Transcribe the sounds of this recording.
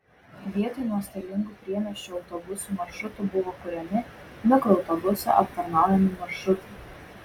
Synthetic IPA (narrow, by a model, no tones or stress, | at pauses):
ʋʲiɛt̪ɔɪnuɔst̪ʲɐlʲɪŋɡuːpʲɾʲiɛnʲɛʃʲt͡ʃʲʊɒʊt̪ɔbʊsuːmɐɾʃʊt̪uˑbʊʋokʊɾʲɛmʲɪnʲʊkoɒʊt̪ɔbʊsʲɛ̰ʔɐp̚t̪ɐɾnɑˑʊjɛmʲɪmɐɾʃɾʊt̪ɐɪ